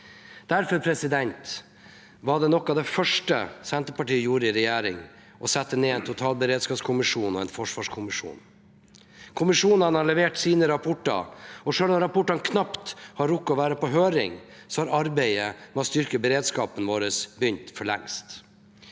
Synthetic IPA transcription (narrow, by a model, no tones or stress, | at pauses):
d̪̥æɾfɔɾpʰɾɛsɪd̪ɛnt̪ | ʋɑɖɛnɔkːɑʋd̪ɛfœʂʈəsɛnt̪əpɑʈiːəjuːɾəɪɾɛjæːɾɪŋ | ʔɔsɛt̪ːəneːɛɪnt̪ʰʊt̪ʰɑːlbəɾeːd̪skɑːpskʰʊmɪʂuːnɔɛnfɔʂʋɑːʂkʰʊmɪʂṵːn | kʰʊmɪʂuːnɑnhɑɭɛʋeːʈsiːnəɾɑpʰɔʈːɑ̰ɾɔʂøːlɔmɾɑpʊʈːɑnkʰnɑpt̪hɑɾʊkːɔʋæːɾəpɔɦøːɾɪ̰ŋsɔhɑɾɑɾbeɪəmɛɔst̪ʏɾkəbəɾeːd̪skɑːpənʋoːɾəsbʏɲt̪fɔɭɛ̰ŋst̪